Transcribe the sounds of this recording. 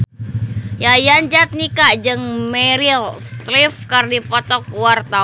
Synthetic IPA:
jajand͡ʒat̪̚nikad͡ʒɨŋmɛɾilst̪lifkərdipɔt̪ɔkuwart̪a

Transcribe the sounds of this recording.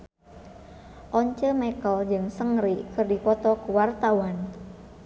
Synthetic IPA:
ʔɔɲt͡ʃəmɛkəld͡ʒɨŋsəŋɾikɨrdikɔt̪ɔkuwart̪awan

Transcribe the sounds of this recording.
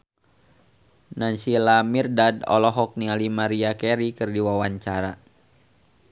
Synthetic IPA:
naɲsilamirdadɔ̰lɔɦɔk̚nialimaɾiakɛɾikɨrdiwawaɲt͡ʃaɾa

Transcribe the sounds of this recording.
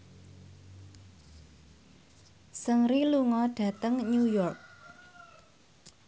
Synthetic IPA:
səŋɾiluŋɔɖ̥ä̤t̪əŋɲujɔrk̚

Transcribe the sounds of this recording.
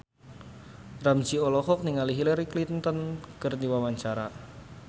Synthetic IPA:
ramd͡ʒiɔlɔhɔk̚niŋaliɦilaɾiklint̪ənkərniwawaɲt͡ʃaɾa

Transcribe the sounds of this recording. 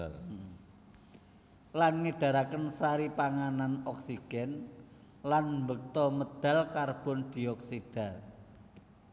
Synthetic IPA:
lanŋəɖ̥a̤ɾakənsaɾipaŋananɔksiɡ̥ɛn | lanmbək̚t̪ɔməd̪̥a̤lkarb̥ɔ̤nd̪̥i̤ɔksid̥a̤

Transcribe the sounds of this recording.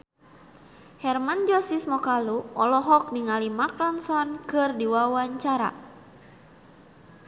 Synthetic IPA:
hɛrmand͡ʒɔsismɔkaluɔlɔɦɔk̚niŋalimak̚ɾɔnsɔnkɨrdiwawaɲt͡ʃaɾa̰

